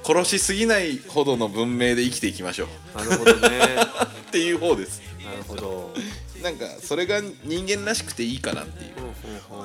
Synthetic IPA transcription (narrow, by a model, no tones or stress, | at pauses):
kʰo̞ɾo̞ɕisɨɡʲinaiho̞d̪o̞no̞bɯ̟̃mːe̞ːd̪e̞ikʲi̥t̪e̞ikʲima̰ɕo̞̰ː | t̪ːe̞jɯ̟ːɦo̞ːd̪e̞sɨ̥od̪ | nãŋka̰so̞ɾe̞ɡaɲ̟ĩŋɡẽ̞nɾaɕi̥kɯ̟̥t̪e̞iːkana̰t̪ːe̞̰jɯ̟̰